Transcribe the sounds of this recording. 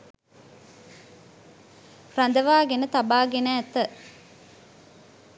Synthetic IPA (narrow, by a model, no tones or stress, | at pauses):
rand̪əʋaːɡenət̪abaːɡenæːt̪ə